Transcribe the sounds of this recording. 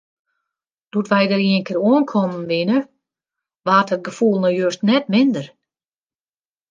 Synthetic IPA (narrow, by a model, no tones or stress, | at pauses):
d̥utʋɛjdəɾiənkɪɾuənkʰɔmənʋɪnə | ʋaːthət̚ɡəfulˠnɔjøstnɛtmɪndər